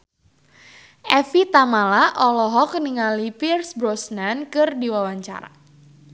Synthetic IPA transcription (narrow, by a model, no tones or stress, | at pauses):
ʔɛfit̪amalaʔɔlɔɦɔk̚niŋalipirsbɾɔsnankɨrdiwawaɲt͡ʃa̰ɾa̰